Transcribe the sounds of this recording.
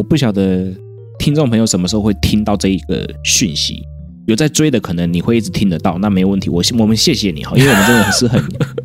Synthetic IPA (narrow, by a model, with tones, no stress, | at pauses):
ɔ˨˩pu˥˩ɕjɑ˨˩ʊd̪ə˦ | t̪ʰi˥ŋnt͡so˥˩ŋpʰɤ˧ŋjo˧ʊʂə˧nmə˧ʂɻ̩˧xo˧xwe˥˩ɪt̪ʰi˦˥ŋt̪ɑ˥˧ʊʈ͡ʂɤ˥˧i˧˩ɡ̥ə̰˩ɕy˥˩nɕḭ˧˦ | jo˨˩ʊt͡sa˥˩ɪʈ͡ʂwe˥ɪd̪ə˨kʰɤ˨˩nə˧˦ŋni˨xwe˥˧i˥t͡s̩˨˩t̪ʰi˦˥ŋd̪ə˨t̪ɑ˥˨ʊna˥˩me˧˥ɪjʊwə˥˩nt̪ʰi˧˦wɔ˨˩˥wɔ˨˩mə˦ɕjɛ˥˩ɕjɛ˨˦nḭ˨˩hɑ˧˦ʔi˥we˥˩wɔ˨m˧˦˧ʈ͡ʂə˥d̪ə˩˨˩ʂ̩˥˧xə˨˧˦n